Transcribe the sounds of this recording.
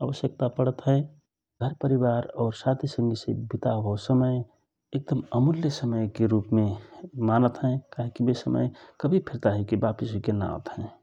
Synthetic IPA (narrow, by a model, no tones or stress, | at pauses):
əʋəsjək̚t̪apəɽət̪ɦəe | ɡʱəɾpəɾibaːɾɔːɾsat̪ʰisə̃ŋɡisḛbit̪aɦosəməj | ek̚d̪əməmʊljəsəməjkeɾuːpmẽmanət̪ɦɛ̃kaɦikibesəmə̰jkəbʱipʰiɾt̪aɦɛkibapisɦoikenã̰ʊ̰t̪ɦɛ̃